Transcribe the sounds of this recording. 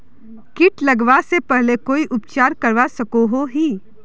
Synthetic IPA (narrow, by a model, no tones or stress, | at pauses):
kɪʈlɐɡʋasepɛɦlekoːiʔʊp̚t͡ʃaːɾkɐɾʋasɐkoɦoɦiː